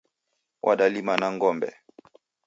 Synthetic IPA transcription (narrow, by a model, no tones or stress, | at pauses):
wʔa̰ɗalimanaŋɡɔmbɛ̰